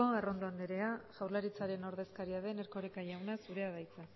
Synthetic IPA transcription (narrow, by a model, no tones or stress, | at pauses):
oaro̞nd̪oand̪eɾe̞aʝawɾlaɾit͡saɾe̞no̞ɾðe̞skaɾiaðe̞neɾko̞ɾekaʝawnasuɾe̞að̞ajt͡sa